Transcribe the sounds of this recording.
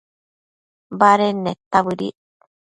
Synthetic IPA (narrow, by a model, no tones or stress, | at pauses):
baɾenet̪aβɯɾḭ